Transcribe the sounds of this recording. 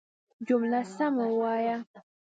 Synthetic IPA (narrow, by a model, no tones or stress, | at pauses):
d͡ʒʊmlasamawaja